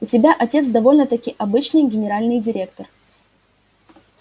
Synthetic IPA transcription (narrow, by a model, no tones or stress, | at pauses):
ʊtʲɪbʲaʔɐtʲe̞t̪sd̪ɐvo̞lʲnət̪ɐkʲijʔɐbɨt͡ɕnɨjɡʲɪnʲɪɾalʲnɨjdʲɪɾʲe̞kt̪ər